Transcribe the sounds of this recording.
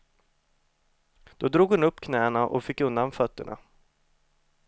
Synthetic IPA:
d̪̥ɔd̪ɾuːɡhʊnɵpːkʰnɛːɳaʔɔ̰fɪkːɵnd̪anfœt̪ːəɳa̰

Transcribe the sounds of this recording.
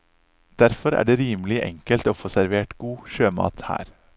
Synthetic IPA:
d̪̥æɾfɔɾæ̰ːɖeːɾiːmlɪʔɛ̰ŋkəlt̪oːfoːsæɾʋeːʈɡuːʃøːmɑ̰ːt̪hæ̰ːɾ

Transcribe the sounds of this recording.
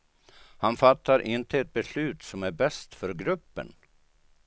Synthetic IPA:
hanfat̪ːaɾʔɪnt̪ʰəɛt̪̚bɛslʉ̟ːt̪sɔmæɾbɛst̪fœɾɡɾɵpːə̰n

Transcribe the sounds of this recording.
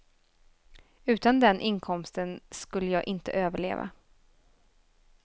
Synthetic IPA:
ʉ̟ːt̪and̪ɛnʔɪnkʰɔmst̪ənskɵlːəjɑːɡʔɪnt̪ə̰ʔøːvəɭeːva̰

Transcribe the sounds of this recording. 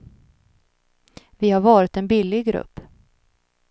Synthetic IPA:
vɪhaɾvɑːɾɪt̪ɛnbɪlːɪɡɡɾɵ̰pː

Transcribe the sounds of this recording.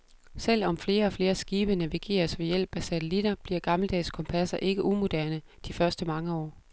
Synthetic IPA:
sel̰ɒ̽mfle̝ːɐɒ̽fle̝ːɐsɡ̥iːb̥ənæʋiɡ̥e̝̰ːɐsʋe̝jel̰b̥æsæt͡sʰelid̥ɐb̥liɐ̰ɡ̥ɑ̈ml̩d̥ɛ̰ːskʰɒ̽mpʰæsɐʔe̝ɡ̥əʔumo̝d̥æɐ̰nə | d̥ifɶɐsd̥əmɑ̈ŋəɒ̰ː

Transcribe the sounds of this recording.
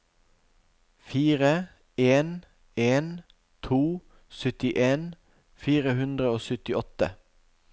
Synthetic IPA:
fiːʁə | eːn | eːn | t̪ʰuː | sʏt̪ɪʔeːn | fiːʁəhʉnd̪ʁəoːsʉt̪ɪɔt̪ə̰

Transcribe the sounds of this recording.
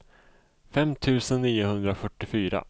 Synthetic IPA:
fɛmt̪ʰʉ̟ːsənːiːʊhɵnd̪ɾafœʈːɪfyːɾa̰

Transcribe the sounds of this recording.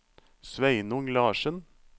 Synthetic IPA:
sʋæɪnʊŋlɑːʃən

